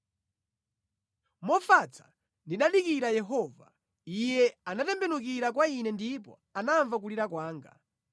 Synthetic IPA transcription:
mɔfat͡sʰḁ | ndiɗaɗikiɾajɛɦɔva | ijɛanatɛmbɛnuk̬iɾak̬wainɛndipɔ̰ | anaɱvak̬uliɾakwaːŋɡa̰

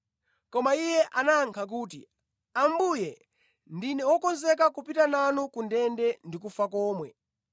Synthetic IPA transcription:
kɔmaijɛʔanaŋkʰak̬uːtḭ | ambujɛ | ndinɛwɔkɔnzɛk̬akupitananukundɛndɛndikufakɔːmwɛ

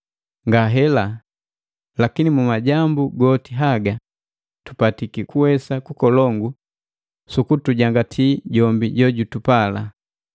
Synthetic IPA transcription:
ŋɡaɦɛla | lakinimumaɟambuɡɔtiɦaɡa | tu̥patikikuwɛsakukɔlɔŋɡu | sukutuɟaŋɡatʰiɟɔmbiɟɔɟutupala

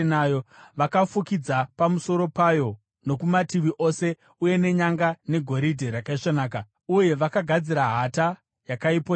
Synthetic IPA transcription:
najoʋakafukid͡zapamuso̞ɾo̞pajo̞ | no̞kumatiʋiʔo̞se̞ | uje̞ne̞ɲaŋɡane̞ɡʱo̞ɾidʱeɾakaiʂanaːka | uje̞ʋakaɡʱad͡ziɾaɦata | jakaipo

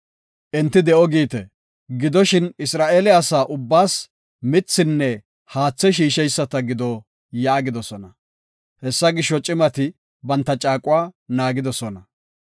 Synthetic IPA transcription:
ʔɛnt̪ːɪd̪ɛʔɔɡiːt̪ɛ | ɡɪd̪ɔʃɪnɪsɾaːʔeːlɛɐsaːʔʊbːaːs | mɪt͡sːɪnːɛ | haːt͡sːɛʃ̬iːʃɛjsːɐt̪ɐɡɪd̪ɔ | jaːɡɪd̪ɔsɔnɐ | hɛsːɐɡɪʃːɔt͡ʃʼɪmɐt̪ɪ | bɐnt̪ːɐt͡ʃʼaːkʼʊwaːnaːɡɪd̪ɔsɔnɐ

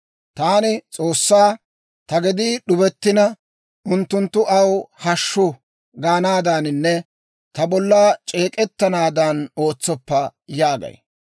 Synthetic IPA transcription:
t̪aːnɪt͡sʼo̞ːsːaː | t̪ɐɡɪd̪iɗʊbɛt̪ːɪnɐ | ʊnt̪ːʊnt̪ːʊʔɐwhɐʃːʊ | ɡaːnaːd̪anɪnːɛ | t̪ɐbɔlːaːt͡ʃʼe̞ːkʼɛt̪ːɐnaːd̪ɐno̞ːt͡sːɔpːɐjaːɡɐ̰j

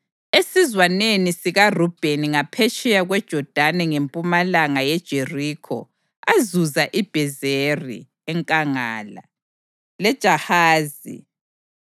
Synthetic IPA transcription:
esizwanenisiɣarub̥ʱeniŋapʰet͡ʃʼɛjaɣwɛd̥ʒ̥ʱɔd̥ʱanɛŋempʼumalaŋajɛd̥ʒ̥ʱeriːkʰɔ̰ | azuzaʔib̥ʱɛzerḭ | ɛŋkʼaŋaːla̰ | lɛd̥ʒ̥ʱahaːzḭ

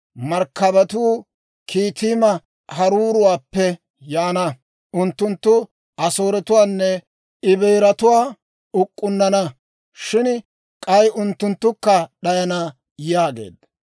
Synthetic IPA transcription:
mɐɾkːɐbɐt̪uː | kʰiːt̪iːmɐ | hɐɾuːɾʊwaːpːɛ | jaːnɐ | ʊnt̪ːʊnt̪ːʊ | ʔɐso̞ːɾɛt̪ʊwaːnːɛ | ɪbɛjɾɐt̪ʊwaː | ʊkʼːʊnːɐnɐ | ʃɪn | kʼɐjʔʊnt̪ːʊnt̪ːʊkːɐɗɐjɐnɐ | jaːɡe̞̰ːd̪

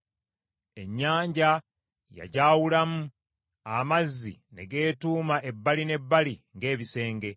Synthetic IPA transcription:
e̞ɲːaːɲɟa | ja̰ɟaːwulamu | amazːḭne̞ɡe̞ːtuːmaʔe̞bːaline̞bːaliŋɡe̞ːβise̞ːŋɡe̞

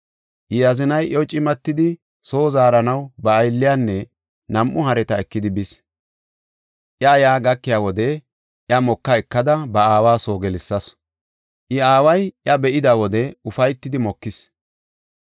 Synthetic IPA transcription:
ʔɪjɐzɪnɐjʔɔt͡ʃʼɪmɐt̪ːɪd̪ɪ | so̞ːzaːɾɐnɐwbɐːjlːɪjaːnːɛ | nɐmʔʊhɐɾɛt̪ɐɛkːɪd̪ɪbɪs | ʔjɐjaːɡɐkːɪjaːwɔd̪ɛ | ʔjɐmɔkːɐɛkːɐd̪ɐbɐaːwaːso̞ːɡɛlɪsːɐs | ʔɪaːwɐjʔjɐbɛʔɪd̪aːwɔd̪ɛʊfɐjt̪ːɪd̪ɪmɔkːɪs

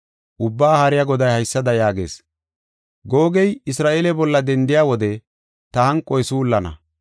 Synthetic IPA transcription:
ʔʊbːaːhɐɾɪjaɡɔd̪ɐjhɐjsːɐd̪ɐjaːɡḛːs | ɡo̞ːɡɛjɪsɾaːʔeːlɛbɔlːɐd̪ɛnd̪ɪjaːwɔd̪ɛ | t̪ɐhɐŋkʼːɔjsulːɐnɐ̰

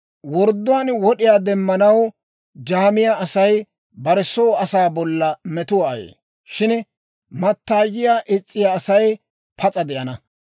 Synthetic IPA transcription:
wɔɾd̪ːʊwaːnwɔɗɪjaːd̪ɛmːɐnɐw | d͡ʒaːmɪjaɐsɐj | bɐɾɛsoːɐsaːbɔlːɐmɛt̪ʊwaːjḛː | ʃɪn | mɐt̪ːaːjɪjaːʔɪt͡sʼːɪjaːsɐj | pʰɐt͡sʼɐd̪ɛʔɐnɐ

